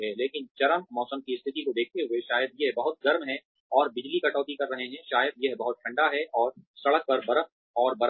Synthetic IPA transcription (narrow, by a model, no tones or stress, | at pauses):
ɦɛleːkɪnt͡ʃɐɾəmːɔːsəmkiɪst̪ʰɪt̪ikod̪eːk̚t̪eɦʊeʃaːjəd̪̚jeɦbɐɦʊt̪̚ɡɐɾmɦɛ̃ | ɔːɾbɪd͡ʒlikɐʈɔːt̪ikɐɾːɐɦeɦɛ̃ʃaːjəd̪̚jɐɦbɐɦʊt̪̚ʈʰɐ̃ɳɖaɦɛʔɔːɾsɐɭək̚pɐɾbɐɾə | ɔːɾbɐɾ